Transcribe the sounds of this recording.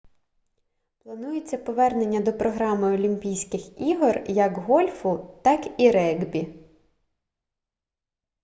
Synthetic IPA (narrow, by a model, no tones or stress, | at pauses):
plˠɐnujet͡sʲːɐpɔʋɛrne̞nʲːɐd̪ɔpɾɔɦɾɑmɪɔlʲimʲpʲijsʲkɪxiɦɔrjɐkɦɔlʲfʊt̪ɑkiɾɛɡbʲi